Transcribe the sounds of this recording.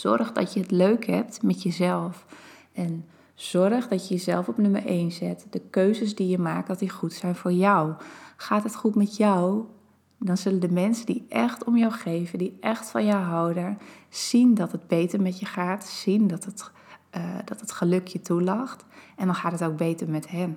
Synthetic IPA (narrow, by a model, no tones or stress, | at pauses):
z̥ɔ̰rxdɔ̰tjəətløːkhɛp̚tmɛtjəzɛlˠfʔɛn | z̥ɔrəxdɔtjəjəzɛlˠfɔpnømərʔejnzɪtd̥əkøːzəs̬dijəmaːk̚tdɔtdixutsɛjnfoːɹjawxaːtɦətxutmɛtjaw | dɔnzɵləndəmɛnsədiʔɛxtɔmjawxeːvədiʔɛxtfɔnjawɦawdəsindɔtət̚beːtəɹmɛtjəxaːtsindɔtt | dɔtətχəløkʰjətʰulaxtɛndɔnxaːtɦətowk̚bejtəɹmɛtɦɛn